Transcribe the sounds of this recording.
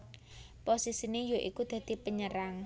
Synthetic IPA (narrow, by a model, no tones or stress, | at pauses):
posisinejoʔikud̪̥ä̤d̪̥i̤pəɲəɾaŋ